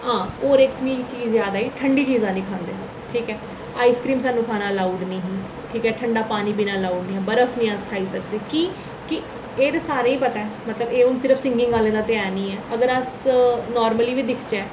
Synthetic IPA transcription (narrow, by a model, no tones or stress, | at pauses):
ɦãːoːɾekt̪ʰʋĩːt͡ʃiːzːjaːd̪aːiːʈʰəɳɖiːt͡ʃiːzãːnĩːkʰãːnd̪eːɦət̪ːʈʰiːkɛː | aːiːskɾiːmsaːnːũːkʰaːnaːlaːuːɖnĩːɦː | ʈʰiːkɛːʈʰəɳɖaːpaːniːpiːnaːlaːuːɖnĩːɛːbəɾəfʰnĩːəskʰaːiːsək̚d̪eːkiː | kɪ | eːt̪eːsaːɾeːiːpət̪aɛːmət̪ləbeːʊnsɪɾəfʰsɪ̃ŋɡɪ̃ŋɡaːlẽːd̪aːt̪ɪaːɾnĩːɛːəɡəɾəsnɔːɾməliːʋiːd̪ɪkʰt͡ʃeː